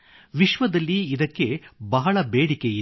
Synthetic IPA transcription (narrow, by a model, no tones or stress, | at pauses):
ʋiʃʋɐd̪ɐlːiːd̪ɐkːe̞bɐɦɐɭɐbeːɽikeji